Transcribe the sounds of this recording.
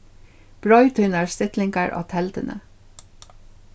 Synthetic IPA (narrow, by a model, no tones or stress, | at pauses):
b̥ɹɑʏt̪ʰʏnəɹst̪ɪt̪lɪŋkəɹʔɑ̰ːt̪ʰɛlt̪ənʔə̰